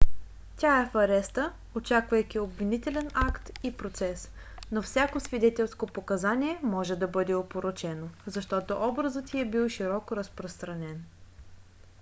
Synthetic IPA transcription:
t̪ʲaɛfɐɾɛst̪ə | ot͡ʃakvəjkʲiobvinit̪ɛlɛnakt̪ipɾot̪sɛs | nofsʲakosvid̪ɛt̪ɛlˠskopokɐzaniɛmɔʒɛd̪ɐbɤd̪ɛopoɾot͡ʃɛnozɐʃt̪ɔt̪oʔɔbɾəzət̪ʲiɛbilˠʃiɾɔkoɾəspɾost̪ɾɐnɛn

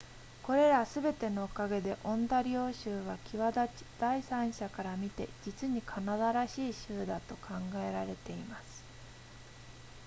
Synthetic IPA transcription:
ko̞ɾe̞ɾasɨbe̞t̪e̞no̞ːkaɡe̞d̪e̞ʔõ̞nd̪aɾʲo̞ːɕɨːβakʲʰiβad̪ai̥d̪̥aisãɰ̃ɕakaɾamʲit̪e̞̰d͡ʑit͡sɨɲ̟ikʰanad̪aɾaɕiːɕɨːd̪at̪o̞kʰãŋɡae̞ɾaɾe̞t̪e̞imasɨ̥

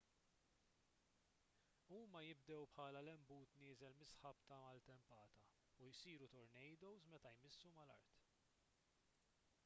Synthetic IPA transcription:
uːmɐjɪb̚d̪ɛwpħɐːlɐlɛmbuːt̪nɪːzɛlmɪsħɐpt̪ɐmɐlt̪ɛmpɐːt̪ɐ | ujsiːɾut̪ɔɾnɛjd̪ɔwzmɛt̪ɐjmɪsːumɐlɐ̰ɾt̪

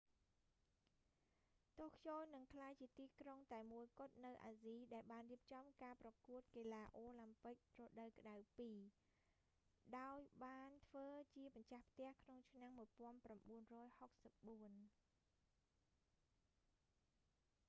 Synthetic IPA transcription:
t̪ohkʰjoːlnɨŋkʰlaːjt͡ɕiət̪iːkroŋt̪aɛmuəjkʊ̆ət̪̚nɨwʔa̰ːziːɗaɛlɓaːnriəp̚t͡ɕɑmkaːprɑkuət̪̚keːlaːʔoːlampɨk̚rɔɗəwkə̆ɗawpiː | ɗaɔjɓaːnt̪ʰʋəːt͡ɕiəɓɑɲt͡ɕahpʰt̪ɛ̆əhkʰnoŋt͡ɕʰnamːuəjpŏənpramɓuənrɔːjhok̚səp̚ɓuən

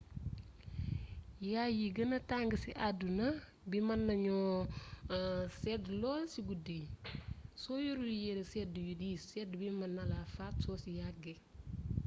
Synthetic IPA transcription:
jajiɡənɐtaŋɡəsiʔadunɐ | bimɐnːɐɲɔ | sɛdlɔlsiɡudi | sojuɾujeɾesɛdjudisɛdbimɐnːɐlafatsoːsijaɡe

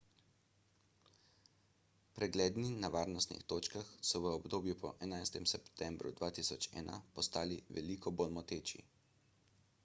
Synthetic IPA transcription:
pɾɛɡleːd̪ninaʋaːɾnɔst̪nḭxt̪oːt͡ʃkaxsɔʋəɔbd̪oːbjupɔ̰ʔɛnajst̪ɛmsɛpt̪ɛmbɾṵd̪ʋaːt̪iːsɔt͡ʃɛ̰ːna̰pɔst̪aːliʋɛlikʰɔbolmɔt̪eːt͡ʃḭ

